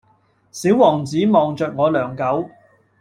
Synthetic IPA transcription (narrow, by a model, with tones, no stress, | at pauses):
siː˨˥wːɔː˨˩ŋt͡siː˨˥mɔː˨˩ŋt͡ʃœː˨k̚ŋɔː˨˧lœː˨˩ŋkɐ˨˥w